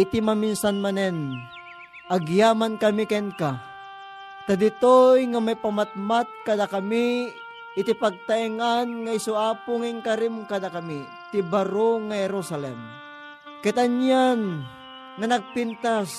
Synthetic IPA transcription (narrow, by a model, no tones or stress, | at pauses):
it̪imaminsanmanɛn | ʔaɡjamankɐmikɛnka | t̪ad̪it̪ojŋamajpamat̪̚mat̪̚kad̪akamiː | t̪ipaɡ̚t̪aiŋanŋaisuaːpʊŋaiŋkaɾimkad̪akami | t̪ibaɾoŋahɛɾosalɛ̰m | kɛt̪aɲan | ŋanaɡ̚pint̪as